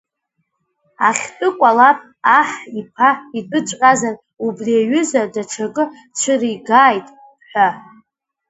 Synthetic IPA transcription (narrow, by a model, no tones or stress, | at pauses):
a̰χʲtʼɨkʷʼalapʼ | aħipʰaidʼɨt͡ʃʷʼqʼazar | ubriaɥʏzadaʈ͡ʂʰakʼɨ | t͡ʃʷʰɨriɡaːjtʼ | ħʷᶣa